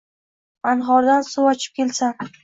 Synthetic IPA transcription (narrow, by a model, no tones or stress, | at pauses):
anɦɒɾd̪ansuwɒt͡ʃʰɪ̥p̚kʲʰe̞lsan